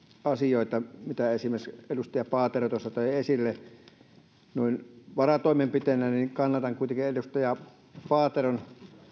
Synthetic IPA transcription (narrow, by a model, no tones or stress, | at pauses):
ɑsijoˑet̪ɑmit̪æesimerselust̪ɑjɑpɑːt̪erot̪osːɑt̪ɑˑiesilːe | nuˑinʋɑrɑt̪oˑimempit̪enæniŋkɑnːɑt̪ɑŋkuit̪eŋkielust̪ɑjɑ | pɑːt̪eron